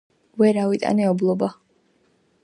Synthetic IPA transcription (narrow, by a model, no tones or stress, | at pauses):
vɛɾavit̪ʼa̰nɛɔblˠɔba